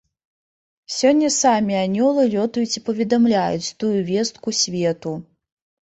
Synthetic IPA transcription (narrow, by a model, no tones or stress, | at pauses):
sʲɔnʲːɐsamʲianʲɔlˠɨlʲɔt̪ujut͡sʲipɐvʲɛd̪amlʲajut͡sʲt̪ujuvʲɛst̪̚kusʲvʲɛt̪u